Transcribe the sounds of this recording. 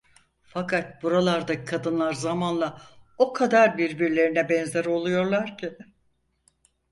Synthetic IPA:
fakʰat̪̚buɾalˠaɾd̪acɯ̥kʰad̪ɯnlˠaɾzamanlˠao̞kʰad̪aɾbiɾbiɾlʲe̞ɾinɛbɛnzɛɾo̞lˠujo̞ɾlˠaɾcʰi

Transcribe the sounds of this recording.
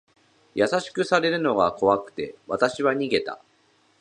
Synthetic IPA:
jasaɕi̥kɯ̟saɾe̞ɾɯ̟no̞ɡako̞βakɯ̟̥t̪e̞̰βat̪aɕiβaɲ̟iɡe̞t̪a̰

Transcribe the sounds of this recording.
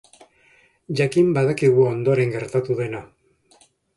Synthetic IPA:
ʝakimbaðakiɣuo̞nd̪o̞ɾe̞ŋɡe̞ɾt̪at̪uðe̞na

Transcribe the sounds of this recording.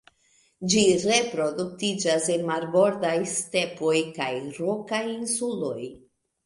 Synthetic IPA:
d͡ʒiɾe̞pɾo̞duk̚tid͡ʒasenmaɾbo̞ɾdajste̞po̞jkajɾo̞kajinsulo̞j

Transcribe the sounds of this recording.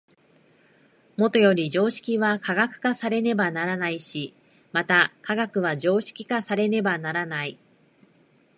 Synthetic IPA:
mo̞t̪o̞jo̞ɾʲid͡ʑo̞ːɕi̥kʲiβakʰaɡakɯ̟̥kasaɾe̞ne̞banaɾanaiɕi | mat̪akaɡakɯ̟β̞aʑo̞ːɕi̥kʲi̥kasaɾe̞ne̞banaɾanai

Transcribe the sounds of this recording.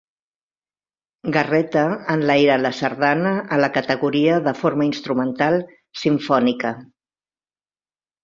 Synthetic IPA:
ɡərɛt̪əːnlajɾələsəɾðanəːləkət̪əɣuɾiəðəfoɾməinst̪ɾumənt̪alˠ | siɱfɔnikə

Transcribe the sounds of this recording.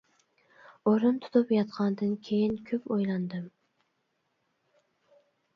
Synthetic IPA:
oɾʊnt̪ʰʊ̥t̪ʰʊpjɑt̪qʰɑnd̪ɨnkʲʰejɪnkʲʰɵpojlˠɑnd̪ɨm

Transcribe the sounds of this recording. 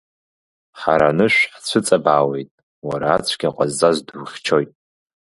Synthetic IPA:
ħa̰ɾanɨʃᶣʷħt͡ɕʷʰɨt͡sʼabaːwejtʼ | waɾaːt͡ɕʷʰɡʲaqʷʼazːazduwχʲt͡ʃʰojtʼ

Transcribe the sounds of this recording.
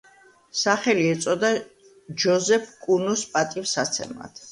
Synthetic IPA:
saχɛliɛt̪sʼɔd̪a | d͡ʒɔzɛpʰkʼunuspʼat̪ʼifsat̪sʰɛ̰ma̰t̪ʰ

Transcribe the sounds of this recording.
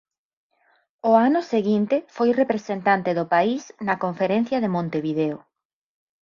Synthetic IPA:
ʊanʊseɣint̪ɪfojrepɾesent̪ant̪eðʊpaisnɐkoɱfeɾen̟θjɐðemõnt̪eβiðeʊ

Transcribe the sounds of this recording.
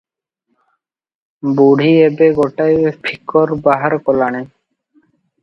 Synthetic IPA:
buɽ̤ʱiebeɡoʈajpʰikːɔɾbaɦaɾkɔlañe

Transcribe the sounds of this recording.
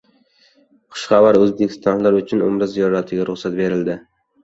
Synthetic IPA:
qʰʊ̥ʃχɑvaɾɵzbekʲʰɪ̥st̪ʰɒnlaɾʊt͡ʃʰʊnʊ̰mɾɪzijɒɾat̪ʰɪɡʲaɾʊχsat̪̚be̞ɾɪld̪ɪ

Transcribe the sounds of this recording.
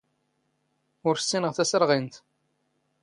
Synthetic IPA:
ʊɾsːinəʁθæsəɾʁint̪

